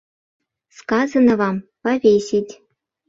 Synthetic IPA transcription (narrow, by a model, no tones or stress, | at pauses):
skɑzɤnɤ̆vɑmpɑvʲesʲitʲ